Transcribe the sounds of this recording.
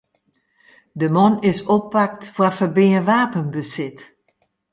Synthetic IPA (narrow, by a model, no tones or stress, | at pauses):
dəmɔnɪsopːak̚tfwafəbɪəʋaːpənbəsɪt